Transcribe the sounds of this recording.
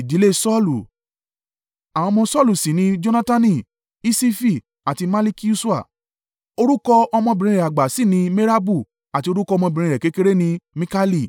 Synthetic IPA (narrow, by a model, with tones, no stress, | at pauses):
i˨di˨˦le˦˧sɔ˦˨lu˨ | a˨w̃ɔ̃˧mɔ̃˧sɔ˦˨lu˨si˨nĩ˧d͡ʒo˦na˦ta˦nĩ˦˨ | i˦si˦fi˦˨ | a˨ti˧ma˦li˦ki˦u˦su˦a̰˦˨ | o˧ɾu˦kɔ˧ɔ˧mɔ̃˧bĩ˨ɾ̃ĩ˧ɾɛ˨a˨ɡ͡ba˨si˦˨nĩ˧me˦ɾa˦bu˦˨ | a˨ti˧o˧ɾu˦kɔ˧˦ɔ˧mɔ̃˧bĩ˨ɾ̃ĩ˧ɾɛ˨ke˨˦ke˦ɾe˦nĩ˧mĩ˦ka˦li˦˨